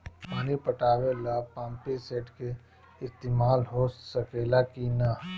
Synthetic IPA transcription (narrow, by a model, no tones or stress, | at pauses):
paːnipɐʈaːʋelapãːmpeseːʈke | ɪst̪eːmaːlɦoːsɐkeːlakina